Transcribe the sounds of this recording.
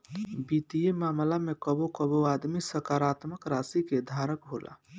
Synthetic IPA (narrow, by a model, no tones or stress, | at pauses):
bit̪ijemamlamekəbokəboad̪misəkaɾat̪məkɾasiked̪ʱaɾəkɦolʔa̰